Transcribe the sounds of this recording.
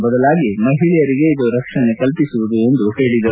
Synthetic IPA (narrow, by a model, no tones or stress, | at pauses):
bɐd̪ɐlaːɡimɐɦiɭɛjɐɾiɡe̞id̪uɾɐkʂɐnekɐlpisuʋud̪ue̞nd̪uheːɽid̪ɐ